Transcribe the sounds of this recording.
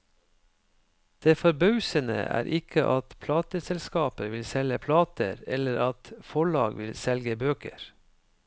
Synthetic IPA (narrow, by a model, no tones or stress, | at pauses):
d̪̥eːfɔɾbɑʉsənə̰ʔæ̰ːɾʔɪkʰəʔɑt̪pʰlɑːt̪əsɛlskɑːpəʋɪlsɛləpʰlɑːt̪ə̰ɾɛləɾɑt̪fɔɭɑ̰ːɡʋɪlsɛlɡəbøːkə̰ɾ